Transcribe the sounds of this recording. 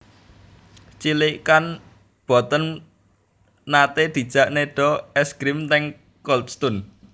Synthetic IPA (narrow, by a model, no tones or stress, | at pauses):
t͡ʃilikan | b̥ɔ̤t̪ən | nat̪ed̪̥i̤d̥ʒ̥a̤ʔneɖ̥ɔ̤ɛsɡɾimt̪ɛŋ | kɔlt̪st̪ʊn